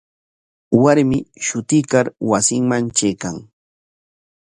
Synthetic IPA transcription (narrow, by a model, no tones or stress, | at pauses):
waɾmɪʃʊt̪ɪkaɾwasɪŋmant͡ʃejkaŋ